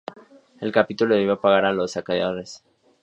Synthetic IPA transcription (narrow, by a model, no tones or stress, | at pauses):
e̞lkapit̪uloðeiβapaɣaɾalosakaðjaðoɾes